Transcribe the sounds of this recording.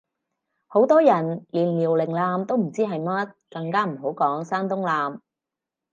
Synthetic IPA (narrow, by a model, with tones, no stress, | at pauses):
ho˨˥wt̪ɔː˥jɐ˨˩nliː˨˩nliː˨˩wlɪ˨˩ŋlaː˧mt̪o˥wm̩˨˩t͡siː˥ɦɐ˨jmɐ˥t̚kɐ˧ŋkaː˥m̩˨˩ɦo˨˥wkɔː˨˥ŋsaː˥nt̪ʊ˥ŋlaː˨m